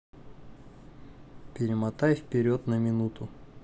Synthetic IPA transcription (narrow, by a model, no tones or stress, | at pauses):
pʲɪɾʲɪmɐt̪ajfpʲɪɾʲot̪nəmʲɪnut̪ʊ